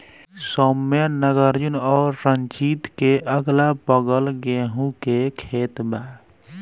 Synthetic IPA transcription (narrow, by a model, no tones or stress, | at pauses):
sɔmjənəɡəɾd͡ʒunɔːɾːənt͡ʃit̪keʔəɡlapəɡəlɡeɦũkekʰet̪ba